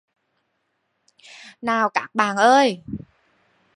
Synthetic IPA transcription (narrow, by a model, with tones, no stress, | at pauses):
naː˨˩wkaː˦˥k̚ɓaː˨˩nʔəː˧j